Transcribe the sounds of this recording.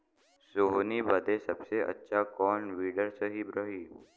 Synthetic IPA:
soɦnibəd̪ʱesɐbseʔɐ̰tːʃʰakɔːnʋiːɖəɾsəɦibɾəɦiː

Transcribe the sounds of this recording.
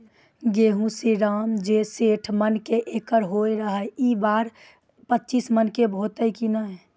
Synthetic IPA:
ɡeːɦũsiɾaːmd͡ʒeseːʈʰmənkeʔeːkəɾɦoiɾəɦəibaːɾ | pətːt͡ʃismənkebʱoːt̪əikinaɦɛ

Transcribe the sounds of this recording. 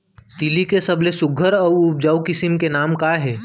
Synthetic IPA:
t̪ilikesɐblesʊɡʱəɾɔːʊp̚d͡ʒaːukɪsɪmkenaːmkaːɦɛː

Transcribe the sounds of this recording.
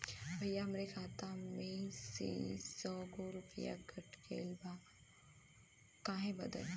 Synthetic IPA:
bʱɐjːaɐmɾekʰaːt̪amẽsḛsɔːɡoɾʊpija̰ɡʱɐʈkḛlba | kãːɦẽbɐd̪ə̰l

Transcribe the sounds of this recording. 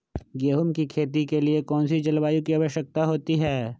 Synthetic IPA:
ɡeːɦʊmkikʰeːt̪̬ikeliekɔːnsid͡ʒɐlʋaːjũkiɐʋəʃjək̚t̪aɦoːt̪iɦɛː

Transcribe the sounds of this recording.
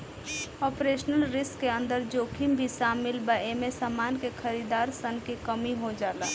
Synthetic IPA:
ɔːpɾeːʃnəlɾɪskːeə̃nd̪əɾd͡ʒoːkʰimbʱisaːmɪlbəemesamaːnkekʰəɾid̪aːɾsənkikəmiɦod͡ʒaːla̰ː

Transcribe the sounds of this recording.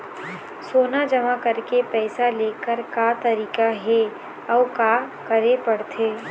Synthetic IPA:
soːnad͡ʒɐmakɐɾkepɛːsaleːkəɾkat̪ɐɾiːkaɦɛ | ɔːkaːkɐɾepɐɽt̪ʰeː

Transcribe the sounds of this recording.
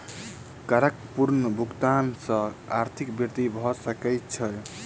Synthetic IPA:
kaɾəkpuɾnəbʱukt̪ansə̃aɾt̪ʰikbiɾt̪ibʱɔsəkətt͡ʃʰəl

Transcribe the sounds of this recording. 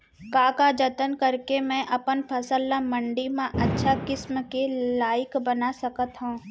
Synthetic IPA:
kaːkad͡ʒɐt̪ənkɐɾkemɛ̃ʔɐpənpʰɐsəlːamɐ̃ɳɖimãʔɐtːʃʰakɪsmkelaːjɪkbɐnasɐkət̪ɦũː

